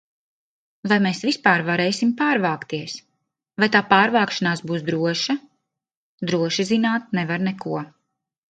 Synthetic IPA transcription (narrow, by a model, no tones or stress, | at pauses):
vajmeːsvispaːɾvaɾɛːjsimpaːɾvaːkt̪iɛs | vajt̪aːpaːɾvaːkʃanaːsbuːsd̪ɾuɔʃa | d̪ɾuɔʃizinaːt̪̚nɛvaɾnɛkuɔ